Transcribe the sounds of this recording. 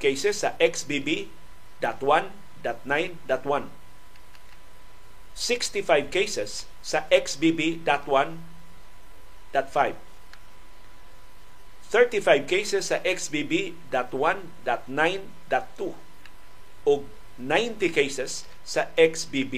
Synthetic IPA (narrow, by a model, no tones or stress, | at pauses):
kejsesaʔɛksbibi | d̪at̪wãn | d̪at̪̚nãj̃nd̪at̪wãn | sɪkst̪ifajvkeɪsɛsː | aʔɛksbibid̪at̪wãn | d̥̪at̪fajv | θɜ˞t̪ifajvkeɪsesaʔɛksbibi | d̪at̪wãn | d̪at̪nãjn | d̪at̪ːu | oɡ | nãj̃nt̪ikejsesː | aɛksbibi